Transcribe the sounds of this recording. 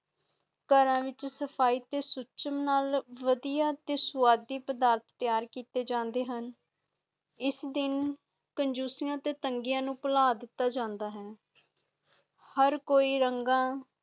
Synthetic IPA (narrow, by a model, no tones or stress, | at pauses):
kəɾãːʋɪt͡ʃsəpʰaːiːt̪eːsʊt͡ʃəmnaːlʋəd̪ijaːt̪eːsʊaːd̪ːiːpəd̪aːɾt̪ʰt̪ɪjaːɾkiːt̪eːd͡ʒãːnd̪eːɦən | ɪsd̪ɪn | kəɲd͡ʒuːsɪjãːt̪eːt̪əŋɡɪjãːnũːpəlaːd̪ɪt̪ːaːd͡ʒãːnd̪aːɦɛː | həɾkoːiːɾəŋɡãː